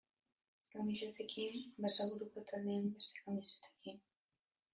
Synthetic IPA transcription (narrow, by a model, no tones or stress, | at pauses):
kamiʃat̪ekʰimbasaɣuɾuko̞t̪ʰald̪eːmbe̞st̪e̥kamisḁt̪e̥kin